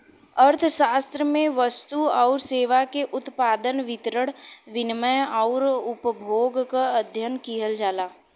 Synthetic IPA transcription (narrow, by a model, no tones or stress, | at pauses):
əɾt̪ʰʃaːst̪ɾəmẽʋəst̪uɔʊɾseːʋakeʔʊt̪paːd̪ənʋɪt̪ɾəɽ̃ʋɪnməjɔʊɾʊpəbʱoːɡkaəd̪ʱjənkiɦəld͡ʒaːlaː